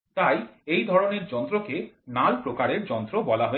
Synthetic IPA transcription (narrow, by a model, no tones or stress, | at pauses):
t̪ajejd̪ʱɔɾoneɾd͡ʑɔnt̪ɾokenalpɾokaɾeɾd͡ʑɔnt̪ɾobɔlaɦɔ